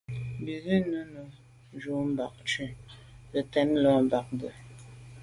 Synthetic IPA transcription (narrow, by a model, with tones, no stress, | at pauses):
m̩˨bi˨zi˦nə˦nə˨ | n˨d͡ʒu˨˦m˦ba˨k̚t͡ʃʉ˦˨ | lə˨tɛ˦n˦lɔ˦m̩˨ba˨k̚bə˨